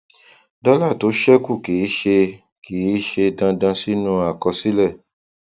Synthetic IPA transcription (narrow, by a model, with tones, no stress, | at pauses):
dɔ˦la˦˨to˨˦ʃɛ˦ku˦˨ki˨˦ʃe˧ | ki˨˦ʃe˧dã˧dã˧si˦nũ˧˦a˨kɔ˧si˨˦lɛ˦˨